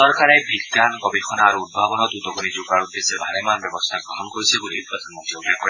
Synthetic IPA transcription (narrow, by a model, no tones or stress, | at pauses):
ɔɹkaɹɛbʱiɡanɡɔbixʰɔnaːɹuːd̚bʱabɔnɔtud̪ɔɡunizuɡaɹud̪ːesɛbʱaɾɛmanbjɔbɔst̪ʰaɡɹɔɦɔnkoɹisʰɛɡulipɹɔd̪ʱanmɔnt̪ioɡjakɔ